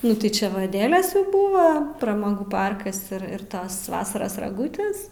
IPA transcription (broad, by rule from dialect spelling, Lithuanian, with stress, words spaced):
ˈnʊ tɐɪ ˈt͡ʃʲɛ ʋɐ ɐˈdʲæːlʲeːs jɛʊ ˈbuːʋɐ prɐmɐˈɡuː ˈpɐrkɐs ɪr ɪr ˈtɐs ˈʋɑːsɐrɐs rɐˈɡuːtʲeːs